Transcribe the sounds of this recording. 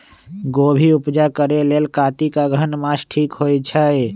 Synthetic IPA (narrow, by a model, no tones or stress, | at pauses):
ɡobʱiupd͡ʒakəɾelelkat̪ikaɡʱənmasʈʰikɦojt͡ʃʰə